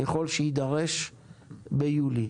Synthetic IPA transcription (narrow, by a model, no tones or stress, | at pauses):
jaχo̞lʃeid̪aʁeʃ | bejuli